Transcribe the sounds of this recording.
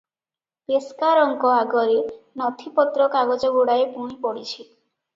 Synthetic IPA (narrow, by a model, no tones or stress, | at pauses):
eskaɾɔŋkɔaɡɔɾenɔt̪ʰipɔt̪ɾɔkaɡɔd͡ʒɔɡuɽaepuɽ̃ipɔɽit͡ʃʰi